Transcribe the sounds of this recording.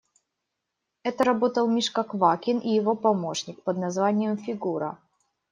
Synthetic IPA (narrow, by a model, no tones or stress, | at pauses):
ɛt̪əɾɐbo̞t̪əlˠmʲiʂkɐkvakʲɪnʔijɪvo̞pɐmo̞ʂnʲɪk̚pəd̪nɐzvanʲɪjəmfʲɪɡuɾə̰